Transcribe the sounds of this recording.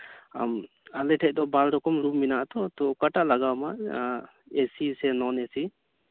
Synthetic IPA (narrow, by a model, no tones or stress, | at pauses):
a̰m | alɛʈʰɛc̚d̪ɔbalɾɔkɔmɾumːinaʔt̪ɔt̪ɔkaʈaʔlaɡawma | esisɛnɔnesi